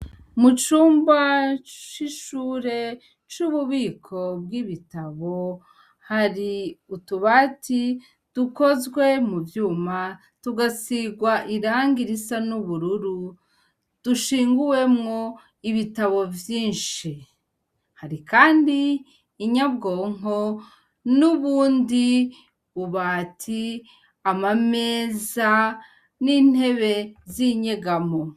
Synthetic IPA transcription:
mut͡ʃuːmbat͡ʃiʃuːɾe̞ | t͡ʃuβuβiːkʰo̞bɡiβitaβo̞ | haɾiutuβaːtʰi | d̥uko̞zɡwe̞muvjuːma | tuɡasiɡwaʔiɾaːŋɡiɾisanuβuɾuɾu | d̥uʃiːŋɡuwe̞mŋo̞ | iβitaβo̞vjiːnʃi | haɾikaːndiː | ɲabɡo̞ːŋo̞ | nuβuːndi | βuβatʰi | amame̞ːza | nin̥he̞βe̞ziɲe̞ɡamo

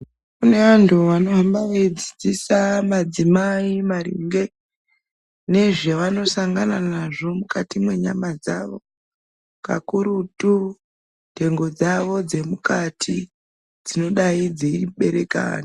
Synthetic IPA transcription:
kune̞antʰuʋano̞ambaʋed͡zid͡zisamad͡zimaimarḭŋɡe̞ | ne̞ʐeʋano̞saŋɡananaʐo̞mukatimwe̞ɲa̰mad͡za̰ʋo̞̰ | ka̰kuɾutu | nte̞ŋɡo̞d͡zaʋo̞d͡ze̞mukatʰi | d͡zino̞ɗaid͡zeiɓe̞ɾe̞ka̰ːni

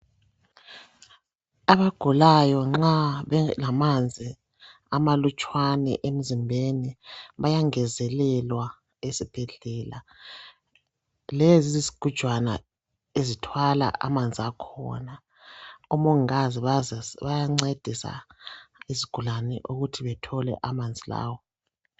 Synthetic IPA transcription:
aβaɡ̥ʱulajɔŋ͡ǁaβɛlamand͡zʱi | amalut͡ʃʼwanɛ̰ʔem̩zimbʱeniβajaŋɛzɛlɛlwa | esib̥ʱeɮɛːla | lezizizi̥ɡ̥ʱud̥ʒ̥ʱwana̰ | ezitʰwala̰ʔa̰mand͡zʱiakʰɔ̰na | umoŋaziβaβajaŋ͡ǀed̥ʱisa̰ | iziɡ̥ʱulanɛ̰ʔuɣutʰiβɛtʰɔlɛ̰ʔamand͡zʱila̰ːwɔ

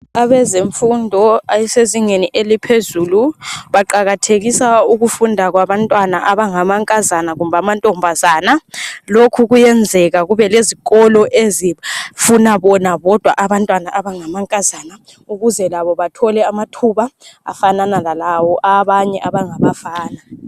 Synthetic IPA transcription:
aβɛzeɱfundʱɔajɛseziŋeniʔelipʰezuːluβaǃaɣatʰeɣisauɣufundʱak̬waβantʼwanaʔaβaŋamaŋkʼazanaɣumbʱamantʼɔmbʱazaːnalokʰuɣujɛnd͡zʱɛɣ̬aɣuβɛleziɣɔlɔʔezifunaβɔnaβɔd̥ʱwaʔaβantʼwanaʔaβaŋamaŋkʼazana | uɣuzɛlaβɔβatʰɔlɛamatʰuβaa̰fananalalawɔʔaβaɲɛʔaβaŋaβafaːna

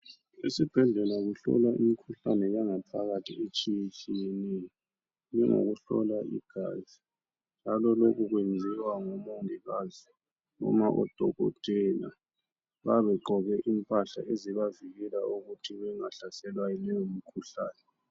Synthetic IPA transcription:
esib̥ʱɛɮɛlaɣuɬɔ̰laʔimikʰuɬanɛjaŋapʰaɣatʰiet͡ʃʼijet͡ʃʼijenejɔ | nɛŋo̰ɣuɬɔ̰laʔḭɡ̥ʱaːzi | nd͡ʒʱalɔlokuɣwend͡zʱiwaŋomɔntʼiɣazi | nɔ̰maʔɔ̰d̥ʱɔɣɔ̰d̥ʱɛna̰ | βaβɛǃɔɣɛʔimpʼaɬa̰ʔeziβaviɣɛlauɣutʰiβɛŋaɬasɛlwajɔnɛjomikʰuɬa̰ːnɛ

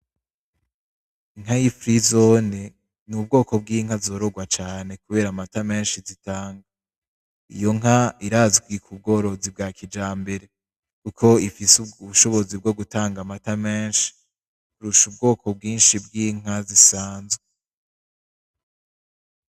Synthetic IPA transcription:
iŋɦajifɾizone | nub̚ɡo̞ːko̞b̚ɡiːŋhazo̞ɾoɡwat͡ʃaːne̞kuβe̞ːɾamatame̞ːnʃizitaːŋɡa | ijo̞ŋɦaiɾaːziɡwikʰub̚ɡo̞ɾo̞zib̚ɡaːkʰid͡ʒaːmbe̞ɾe̞ | kukʰo̞ifisuuβuʃo̞βo̞zib̚ɡo̞ɡutaːŋɡamatameːnʃi̥ | kuɾuʃubɡo̞ːkʰo̞b̚ɡiːnʃibɡiːŋ̥ɦazisaːnzwe

